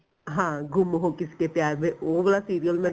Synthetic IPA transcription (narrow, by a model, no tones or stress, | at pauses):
ɦãːɡʱʊmɦokɪskepjaːɾbeobɐɽasiːɾijəlmẽ